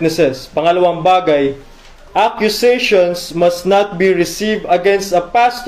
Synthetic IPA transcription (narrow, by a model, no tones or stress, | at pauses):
nɛsɛspɐŋɐlɐwaŋbaːɡɐj | ʔakjʊseʃonsmɐst̪nat̪̚biɹɪsivd̪ɐɡɛ̃nst̪ɐpast̪